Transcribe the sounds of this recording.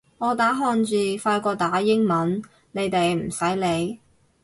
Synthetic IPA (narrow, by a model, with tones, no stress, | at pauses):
ŋɔː˨˧t̪aː˨˥ɦɔː˧nt͡siː˨˩faː˧jkɔː˧t̪aː˨˥jɪ˥ŋmɐ˨˥n | ne˨˧jt̪e˨jm̩˨˩sɐ˨˥jle˨˧j